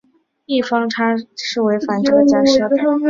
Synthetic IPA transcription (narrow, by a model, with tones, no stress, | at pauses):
i˥˩fɑ˥ŋʈ͡ʂʰa˥ʂɻ̩˥˩we˧˥ɪʈ͡ʂfa˧˥nʈ͡ʂʰɤ˧˥t͡ɕja˥˩˨